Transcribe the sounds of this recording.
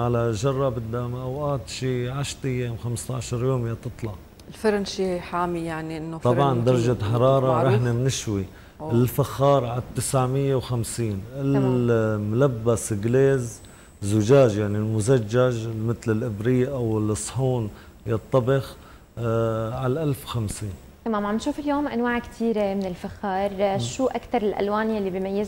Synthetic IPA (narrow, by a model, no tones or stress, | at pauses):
ʕalaʒɑrˤːɑbɪd̪ːamaʔawʔaːt̪ʃiːʕaʃt̪ɪjːeːmxamst̪aʕʃɑɾˤjoːmjat̪ɨt̪ˤlɑʕ | ɪlfɪɾnʃiːħaːmijaʕniʔɪnːot̪ˤɑbbʕɑnd̪ɑɾˤɑʒat̪ħɑɾˤɑːɾˤɑɾɑħnamnɪʃwi | ɪlfaxːɑːɾˤʕat̪ːɪsʕmɪjːewxamsiːnɪl | mʊlabːasɡleːz | zʊʒaːʒjaʕnilmʊzad͡ʒːaʒmɪt̪lɪlʔɪbɾiːʔawɪlɨsˤħuːn | jɑt̪ˤːɑbɪx | ʕalʔalfwxamsiːn | t̪amaːmʕambɪnʃuːfɪljoːmʔa̰nwaːʕkt̪ʰiːɾemɪnɪlfaxːɑːɾˤʃuːʔakt̪ɑɾˤɪlʔa̰lwaːnjalːibimajːaz